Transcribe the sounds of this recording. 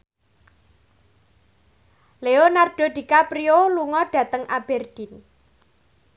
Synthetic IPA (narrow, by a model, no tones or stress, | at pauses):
leonarɖ̥o̤d̥̪i̤kapɾioluŋɔɖ̥ä̤t̪əŋʔab̥ɛrd̪̥i̤n